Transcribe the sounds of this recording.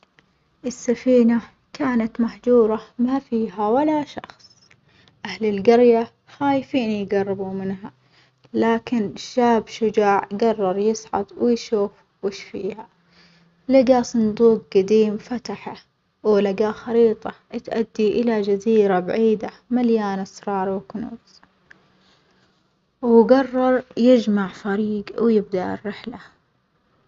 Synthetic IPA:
ʔɪsːafiːna | kaːnat̪maħd͡ʒuːɾˤɑmafiːɦawalaʃɑ̰xsˤ | ʔahlɪlɡɑɾja | xaːjfiːnijɡɑrˤːɪbumɪnɦa | laːkɪnʃːaːbʃʊd͡ʒaːʕɡɑrˤːɑɾˤjɪsʕɑ̰d̪wɪjʃuːf | wɪʃfiːha | lɪɡasˤɨnd̪uːq̚ɡad̪iːmfat̪aħa | wlɪɡaxɑɾiːt̪ˤɑʔt̪ʔad̪ːiʔɪlad͡ʒaziːɾabaʕiːd̪a | maljaːnasɾˤɑːɾˤwknṵːz | wɡɑrˤːɑɾˤjɪd͡ʒmaʕfaɾiːɡwjɪb̚d̪aʔɪ̰rːɪħla

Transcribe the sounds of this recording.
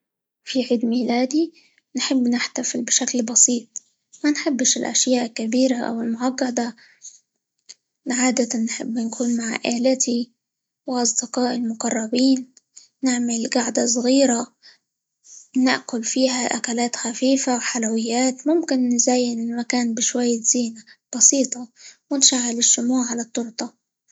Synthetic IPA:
fiʕiːd̪miːlaːd̪i | nħɪbːnɪħt̪afɪlbɪʃaklbɑsiːt̪̚ˤ | manħɪbːʃɪlʔa̰ʃjaːʔɪlkːabiːɾaʔa̰wɪlmʊʕɑɡːɑd̪a | ʕaːd̪at̪anːħɪ̰bːnkʰuːnmaʕ̰ʔaːlɪt̪ʰi | wɪʔɑsˤd̪ɪqɑːʔɪlmʊqɑrˤːɑbiːnː | ɪʕmɪlɡaʕd̪asˤɣiːɾa | nɪʔkʊlfiːhaʔakalaːt̪xafiːfawħalawɪjːaːt̪mʊmkɪnːɪzaːjɪnɪlmakaːnbɪʃwajːz̥iːnab̥ɑsiːt̪ˤɑwɪnʃaʕːɪlɪʃːʊmuːʕʕalat̪ˤːʊɾt̪ˤɑ

